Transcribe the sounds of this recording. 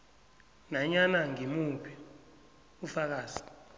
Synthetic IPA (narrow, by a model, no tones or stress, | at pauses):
naɲanaŋimupʰi | ufak̬aːsi̥